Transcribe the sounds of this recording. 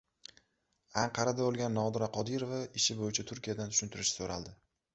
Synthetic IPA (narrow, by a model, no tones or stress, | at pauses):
aɴqʰɑɾad̪abolˠɡʲanːɒd̪ɾaqʰɒd̪iɾovaɪʃɪbojɪt͡ʃʰat̪ʰʊɾkʲijad̪ant̪ʰʊ̥ʃʊnt̪ʰɪɾɪʃɪ̥soɾa̰lˠd̪ɪ